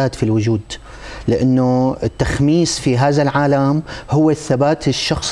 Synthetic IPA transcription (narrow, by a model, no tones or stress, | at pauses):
aːt̪filwʊd͡ʒuːd̪ | lɪʔanːoɪt̪ːaxmiːsfiɦaːðalʕaːlamhʊwːaθːabaːt̪ɪʃːɑxsˤ